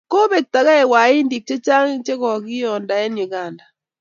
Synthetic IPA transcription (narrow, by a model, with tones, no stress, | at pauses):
ko˦βe˨k̚ta˨ɣa˦ɛ˨wa˨i˦ndi˨k̚t͡ʃe˦t͡ʃa˦ŋ˦t͡ʃe˦ɣɔ˨ɣi˦ɔ˨nda˨ɛ˦nu˨ɣa˨nda˨